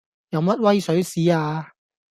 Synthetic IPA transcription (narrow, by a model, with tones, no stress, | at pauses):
jɐ˨˧wmɐ˥t̚wɐ˥jsɵ˨˥ɥsiː˨˥aː˧